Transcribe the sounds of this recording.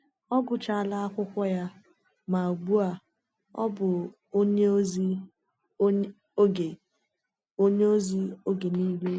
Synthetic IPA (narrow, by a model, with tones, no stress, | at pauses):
ɔ˦ɡʊ˨t͡ʃa˦a˨la˦a˦kʷʊ˦kʷɔ˦ja˦ | ma˨a˨ɡ͡bu˦a˨ | ɔ̰˦bʊ˨ | o˦ɲe˦zi˦ | o˦ɡe˨ | o˦ɲe˦o˦zi˦o˦ɡe˨ni˦le˦